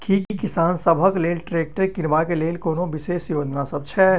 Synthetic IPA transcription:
kʰikkɪsaːnsəbʱəkleːlʈɾeːk̚ʈəɾkɪnʋakeleːlkoːnõʋɪseːʃjoːd͡ʒnasɐb̚t͡ʃʰɛː

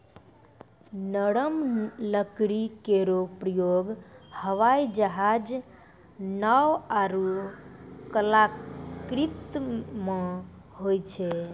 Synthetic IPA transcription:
nəɽəmləkɽikeɾopɾəjoɡhəʋajd͡ʒəɦad͡ʒ | nawaɾu | kəlakɾit̪mẽ | hojt͡ʃʰe

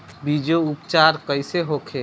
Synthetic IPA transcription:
bid͡ʒoupt͡ʃaːɾkəɪseɦokʰe

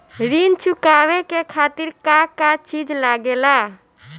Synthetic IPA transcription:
ɾint͡ʃukawekekʰat̪iɾkakat͡ʃid͡ʒlaɡela

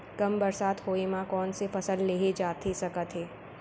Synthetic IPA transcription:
kɐmbɐɾsaːt̪hoːemãkɔːnsefɐsəlːeːɦed͡ʒaːt̪ʰesɐkət̪ɦeː

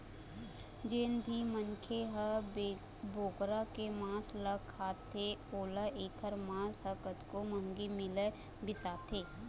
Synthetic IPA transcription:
d͡ʒeːnbʱimənkʰeɦə | boːkɾakemãːsləkʰaːt̪ʰeoːləʔeːkʰəɾmãːsɦəkət̪komə̃ŋɡimɪle | bɪsaːt̪ʰeː

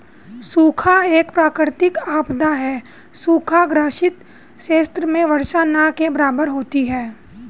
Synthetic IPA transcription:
suːkʰaeːkpɾaːkɾɪɾt̪ɪkaːpd̪aɦɛː | suːkʰaɡɾaːʃɪt̪ | ʃeːst̪ɾəmẽʋɐɾʃanakebɐɾaːbəɾɦoːt̪iɦɛː

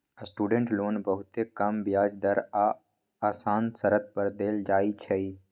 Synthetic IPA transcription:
əsʈuːɖẽɳʈloːnbəɦʊt̪ekɐmbjaːd͡ʒd̪əɾaː | aːsaːnsəɾət̪̚pəɾd̪eːld͡ʒaːit͡ʃʰəi

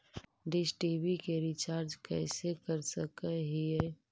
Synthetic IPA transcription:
ɖisʈiːbikeɾit͡ʃaːɾd͡ʒkɛːsekəɾsəkəɦiɛ

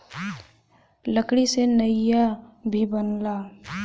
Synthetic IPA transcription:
ləkɽisenəjabʱibənla

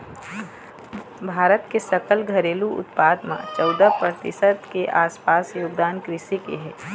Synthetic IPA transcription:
bʱaːɾət̪kesəkəlɡʱɐɾeːluʊ̰t̪paːd̪mã̰t͡ʃɔːd̪apɾət̪ɪ̰sət̪keʔaːspaːsjoːɡd̪aːnkɾɪʃikeɦɛː

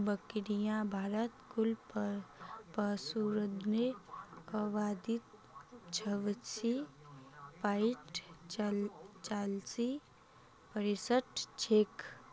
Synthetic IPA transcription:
bəkɾijãbʱaːɾət̪kʊlp | pəsuɾəd̪nekəʋaːd̪it̪̚ | t͡ʃʰəʋsi | paɪʈ | t͡ʃaːlsi | pəɾesəʈ̪t͡ʃʰeːk

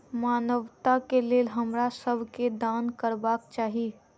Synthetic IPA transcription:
maːnəʋt̪akeleːlɦəmɾasəbʱked̪aːnkəɾbaːkt͡ʃaːɦi

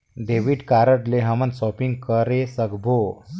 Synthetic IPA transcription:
ɖeʋiɖkaɾəʈleɦəmənt̪sɔpiŋɡkəɾesəɡbʱo

